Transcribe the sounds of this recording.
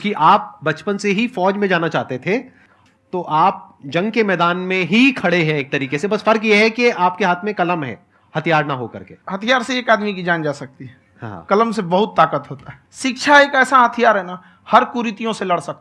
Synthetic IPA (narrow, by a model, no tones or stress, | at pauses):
ɪskiʔaːp̚bɐt͡ʃpənseɦifɔːd͡ʒmẽd͡ʒaːnat͡ʃaːɦt̪et̪ʰe | t̪oʔaːp̚d͡ʒɐ̃ŋɡkemɛːd̪aːnmẽɦikʰɐɽeɦɛ̃eːk̚t̪ɐɾiːkesebɐsfɐɾkjeɦɛkiaːp̚keɦaːt̪ʰmẽkɐləmɦɛ̰ː | hɐt̪ʰijaːɾnaɦokɐ̰ɾkḛːɦɐt̪ʰijaːɾseeːkaːd̪mikid͡ʒaːnd͡ʒaːsɐk̚t̪iɦɛ | ɦã̰kɐləmsebɐɦʊt̪ːaːkət̪ɦoːt̪aɦɛ | ʃɪkʃʰaeːkɛːsaɦɐt̪ʰijaːɾɦɛna | hɐɾkuːɾɪt̪ijõselɐɽsɐk̚t̪